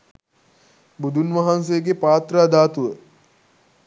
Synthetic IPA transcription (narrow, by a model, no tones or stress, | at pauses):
bud̪ʱunʋɐɦans̬ejəɡepaːt̪ɾəːd̪aːt̪uʋə